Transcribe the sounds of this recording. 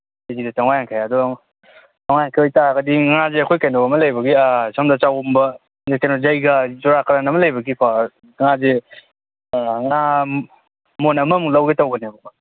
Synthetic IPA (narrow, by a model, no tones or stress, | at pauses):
ezidɐtaŋajaŋkʰajadɔ | taŋajaŋkʰeojtaɡɐdiŋazeɐkʰojkajnɔɐmɐlajbɐɡiasʰamdat͡ʃawmbɐ | zekajnozajɡɐzuɾakɐɾanɐmɐlɐjbɐɡikʰa | ŋaze | ŋa | monɐmɐmuŋlawɡetawɡɐnebɔka